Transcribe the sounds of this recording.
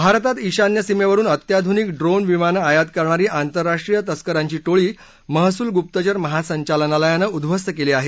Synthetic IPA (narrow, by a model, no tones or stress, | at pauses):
bʱaɾt̪at̪iɕanjəsimeʋəɾuːnət̪jad̪ʱunikɖɾonʋimanəajat̪̚kəɾɳaɾiːʔant̪əɾːaʂʈɾijət̪əskəɾaɲt͡ɕiːʈoɭiː | məɦsuːlɡup̚t̪ət͡ɕəɾməɦasəɲt͡ɕalənaləjanəud̪bʱəst̪əkeleːaɦe